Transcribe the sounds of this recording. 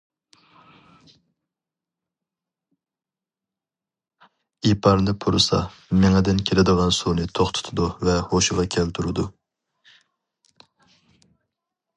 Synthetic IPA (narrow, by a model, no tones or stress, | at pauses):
ipʰɑɾnɨpʰuɾɨsɑ̰ | mɪŋɨd̪ɪnkʲʰelɪd̪əʁɑnsunɨt̪ʰoχt̪ʰʊ̥t̪ʰʊd̪uvɛhoʃʊʁɑkʲʰælt̪ʰuɾɨd̪u